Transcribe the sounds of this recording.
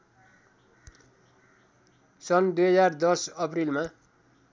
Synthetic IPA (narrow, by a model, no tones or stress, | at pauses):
sʌnd̪ujɦʌd͡zard̪ʌsʌprilma